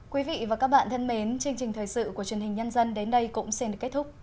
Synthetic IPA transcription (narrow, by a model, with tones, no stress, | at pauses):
kwi˨˦vḭ˧˨vaː˨˩kaː˦˥k̚ɓa̰ː˧˨nt̪ʰə˧nme˨˦nt͡ɕɨ˧əŋt͡ɕï˨˩ŋ̟t̪ʰəː˨˩jsɨ̰˧˨ku˧˩ət͡ɕwi˨˩ənhï˨˩ŋ̟ɲə˧nzə˧nɗe˨˦nɗə˧jkʊ̰˧˥ŋ͡msɛ˧nɗɨ˨˩ə˩kːt̚t̪ʰʊ˦˥k͡p̚